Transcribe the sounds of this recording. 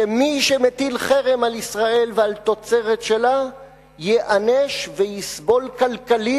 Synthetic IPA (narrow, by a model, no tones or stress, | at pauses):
emiʃemet̪ilχeʁemalisʁae̞lvealt̪o̞t͡se̞ʁet̪ʃe̞la | jeʔaneʃvejisbo̞lkalkali